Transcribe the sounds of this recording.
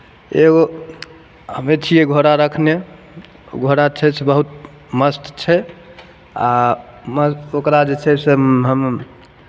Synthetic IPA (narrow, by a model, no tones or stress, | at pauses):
eɡo | ɦəmet͡ʃʰieɡʱoɾaɾəkʰne | ɡʱoɾat͡ʃʰɛt͡ʃʰɛbəɦut̪̚ | məst̪t͡ʃʰɛ | aməsokɾad͡ʒet͡ʃʰɛseɦəm